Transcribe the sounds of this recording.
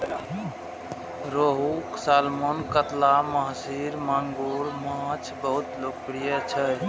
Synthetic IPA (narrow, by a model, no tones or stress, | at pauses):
ɾoɦuksalmonkət̪laməɦsiɾmaŋɡuɾmãt͡ʃʰbəɦut̪lokpɾijət͡ʃʰə